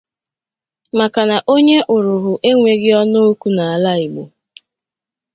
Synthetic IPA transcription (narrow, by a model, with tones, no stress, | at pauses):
ma˨ka˨na˨ʔo˦ɲe˦ʔʊ˨ɾʊ˨ɦʊ˨ʔe˦ŋʷe˨ɡɪ˦ɔ˦no˦o˦ku˨˦na˨a˨la˦ɪ˨ɡ͡bo˨